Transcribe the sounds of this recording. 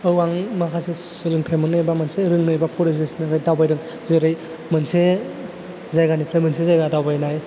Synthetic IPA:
ɯwaŋmakʰase | sɯlɯŋtʰajmɯnɯjbamanseɾɯŋnɯjbapʰɔɾezɡesinɯɾajdawbajɾɯŋ | zeɾɯj | mɯnse | zajɡanipʰɾemɯnsezajɡadawbajnaj

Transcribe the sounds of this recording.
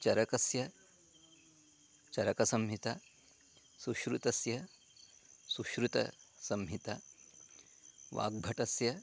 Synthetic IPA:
t͡ʃɐɾɐkɐsjɐ | t͡ʃɐɾɐkɐsɐmɦit̪a | suʃɾut̪ɐsjɐ | suʃɾut̪ɐ̰sɐmɦit̪a | ʋa̰ːɡ̚bʱɐʈɐsjɐ

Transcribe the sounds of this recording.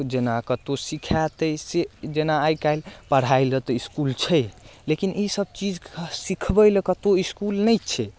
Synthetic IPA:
d͡ʒenakət̪osikʰat̪əjsed͡ʒenaːjkajlpəɽ̤aɪlət̪ɔiskult͡ʃʰɛlekinisəb̚t͡ʃid͡ʒsikʰbəlekət̪oiskulnəjt͡ʃʰɛ

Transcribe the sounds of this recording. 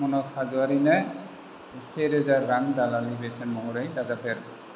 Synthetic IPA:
mɔnɔsazuaɾinɛ | seɾɛzaɹːaŋdalalibesɛnmɔŋɔɾajdazapʰɛɾ

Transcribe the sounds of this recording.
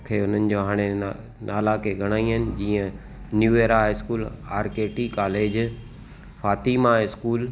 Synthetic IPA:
kʰeʊn̤ənɪ̆d͡ʑoːɦaːɽ̃e | naːlakʰeɡʱɐɽ̃aːĩɦənɪ̆d͡ʑiːə̃ | njuːeːɾaɪskuːlaːɾkeːʈikaːleːd͡ʑ | faːt̪iːmaɪskuːl

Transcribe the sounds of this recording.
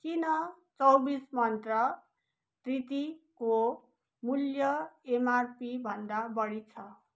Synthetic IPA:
kinʌ | t͡sʌwbismʌnt̪rʌ | t̪rit̪iko | muljʌemarpibʱʌnd̪abʌɽit͡sʰʌ

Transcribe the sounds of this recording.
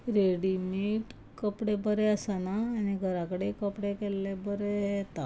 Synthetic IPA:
ɾeɽimiʈ | kəpɽebəɾeəsanaːniɡʱəɾakəɽekəpɽekɛlːebəɾeɦet̪a

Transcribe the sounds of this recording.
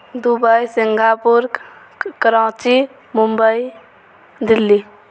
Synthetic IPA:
d̪ubəjsiŋɡʱapuɾɡ | kɾãːt͡ʃi | mumbəi | d̪ilːi

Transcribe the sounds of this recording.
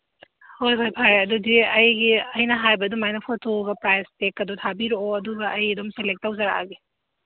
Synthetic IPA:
hojpʰajpʰajɐdudiɐjɡiɐjnɐɦajbɐdumajnɐpʰotʰoɡɐpɾajstekːɐdutʰabiɾooɐduɡɐʔɐjdomselek̚tːawzɐɾa̰ɡi

